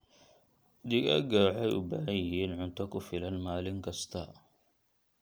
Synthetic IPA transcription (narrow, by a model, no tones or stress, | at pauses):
d̪iɡɐ̰ɡaːħɛjʔʊ̰bahɐjɪɦiːnʕʊnt̪ʰɐkʊfɪlɐnmaːlɪŋkʰɐst̪ʰɐ